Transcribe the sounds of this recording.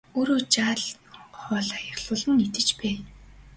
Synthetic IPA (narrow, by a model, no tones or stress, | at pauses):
oːɾoːt͡ɕaːɮ | χɔːɮajăχɮʊːɮɘ̆nːet̪ɘ̆t͡ɕpæː